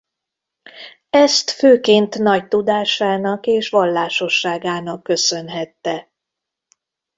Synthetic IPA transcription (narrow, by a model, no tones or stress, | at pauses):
ɛst̪føːkeːnt̪nɒct̪ud̪aːʃaːnɒkeːʃʋɒlːaːʃo̞ʃːaːɡaːnɒkːø̞sø̞nɦɛt̪ːɛ